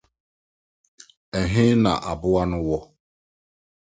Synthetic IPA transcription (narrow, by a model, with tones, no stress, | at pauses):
e˨ɦɪ˦na̰˨ʔa˨bʊ˦wa˦nʊ˦wɔ˦